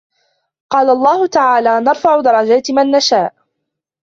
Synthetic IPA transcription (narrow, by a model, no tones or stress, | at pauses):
qɑːlaʔɑlˤːɑːhʊt̪aʕaːlaːnɑɾˤfaʕʊd̪ɑɾˤɑd͡ʒaːt̪manːaʃaːʔ